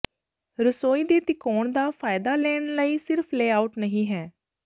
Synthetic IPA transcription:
ɾəsoːiːd̪eːt̪ɪkɔːɳd̪aːfʰaːɪd̪aːlɛːɳləiːsɪɾfʰleːaːʊʈnəɦĩːɦɛː

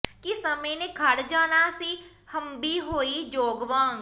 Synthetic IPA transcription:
kisəməjnekʰɐɽd͡ʒaːnasi | həmbiɦoːid͡ʒoːɡʋãːŋɡ

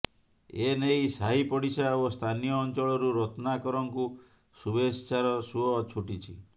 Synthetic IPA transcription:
enejsaɦipɔɽisaost̪ʰanijɔːnt͡ʃɔɭɔɾuɾɔt̪ɔnakɔɾɔŋku | subest͡ʃaɾɔsuɦɔt͡ʃʰuʈit͡ʃʰḭ

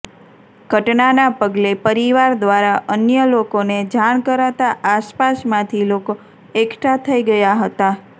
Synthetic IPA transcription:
ɡʱəʈnanapəɡlepəɾiʋaɾd̪ʋaɾaʔənjəlokoned͡ʒaɳ̃kəɾat̪aʔaspasmãt̪ʰiloko | ekʈʰat̪ʰəiɡəjaɦət̪a

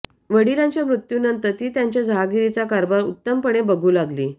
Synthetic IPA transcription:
ʋəɽiɾãɲt͡ɕjamɾut̪juːnənt̪əɾt̪iːt̪jaɲt͡ɕjad͡zʱaɡiɾit͡sakaɾbaɾut̪ːəmpəɳebəɡʱuːlaɡliː

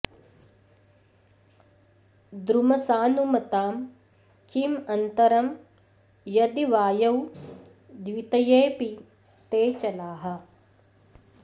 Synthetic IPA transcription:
d̪ɾumɐsaːnumɐt̪aːm | kimɐnt̪ɐɾɐm | jɐd̪iʋaːjɐw | d̪ʋit̪ɐjeːpi | t̪eːt͡ʃɐlaːɦɐ̆

